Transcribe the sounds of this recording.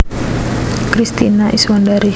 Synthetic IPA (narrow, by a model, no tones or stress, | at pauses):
kɾist̪inaʔiswandaɾi